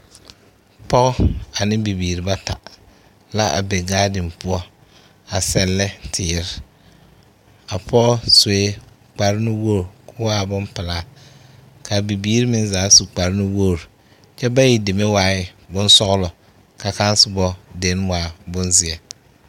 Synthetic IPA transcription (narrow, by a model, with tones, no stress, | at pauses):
pɔ˦ɣɔ˦a˨nɪ˦bi˨biː˨ɾi˨ba˦ta˨ | la˦ʔa̰˨bɛ˨ɡaː˦dɪ˨mpʊ˦ɔ˦ | a˨sɛ˦lːɛ˦tʰɪː˨˦ɾɪ˦˨ | a˨pʰɔ˦ɣswe˦ | k͡pa˨ɾɪ˦nɪ˦wo˦˨ɾkʰʊ˦waː˦bʊ˦mpɪ˨laː˦ | ka˨bi˨biː˦ɾi˦mɪ˦nzaː˨˦su˨k͡pa˨ɾɪ˦nɪ˦wo˦˨ɾ | t͡ʃɛ˦ba˦ji˨dɪ˨me˦waː˨˦ɪ˦ | bʊ˦n˦sɔ˦ɣʊ˦lɔ˨ | ka˨ka˦n˦sɪ˦bɔ˦de˨˦n˦waː˨˦bʊ˦nzɪ˨ɛ˨